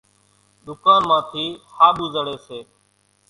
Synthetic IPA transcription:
ɗ̪ʊkaːnmãːt̪ʰiːhaːɓuːzəɽeːseː

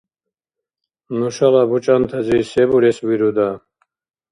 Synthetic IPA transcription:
nuʃalabut͡ʃʼant̪ʰɛd͡zisɛbuɾɛswiɾud̪a

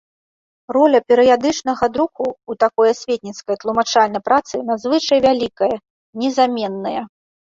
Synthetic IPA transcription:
rɔlʲɐpʲɛɾɨjad̪ɨt͡ʂnɐɣɐd̪ɾukuːt̪akɔjɐsʲvʲet̪ʲnʲit̪skɐjt̪lˠumat͡ʂalʲnɐjpɾat̪sɨnazvɨt͡ʂɐjvʲalʲikɐjɐ | nʲɛzamʲɛnːɐjɐ

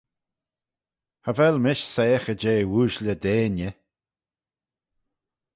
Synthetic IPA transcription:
havɛlmɪʃseːxəd͡ʒeːwuːʒlʲəd̪eːnjə

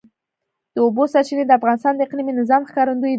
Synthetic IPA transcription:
d̪̥əobosaɾt͡ʃined̪əafɣɑnɪst̪ɑnd̪əɪqliminɪzɑmxkɑɾənd̪uji

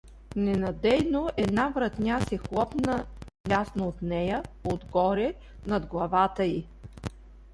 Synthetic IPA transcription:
nɛnɐd̪ɛjnoʔɛd̪navɾɐt̪nʲasɛxlˠɔpnə | lʲasnoːt̪nɛjəod̪ɡɔɾɛ | nɐd̪ɡlˠɐvat̪əi

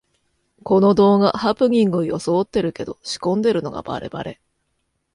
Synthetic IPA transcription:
ko̞no̞d̪o̞ːɡahapɯ̟ɡʲĩŋɡɯojo̞so̞ːt̪ːe̞ɾɯ̟ke̞d̪o̞ɕi̥kõ̞nd̪e̞ɾɯ̟no̞̰ɡa̰b̥a̰ɾe̞̰ba̰ɾe̞

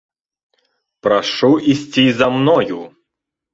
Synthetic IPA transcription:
pɾaʂuisʲt͡sʲizamnɔju

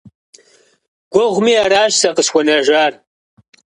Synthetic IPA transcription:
ɡ̥ʷɔʁʷmiːaɾaːʃsɐqəsxʷɔnɐʒʷaːr

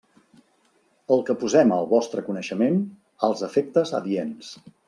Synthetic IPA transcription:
əlˠkəpuzɛməlˠβɔst̪ɾəkunəʃəmen | əlˠzəfek̚t̪əzə̰ðiens

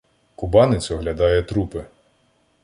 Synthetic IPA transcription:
kʊbɑnɪt͡sʲɔɦlʲɐd̪ɑjɛt̪ɾupɪ

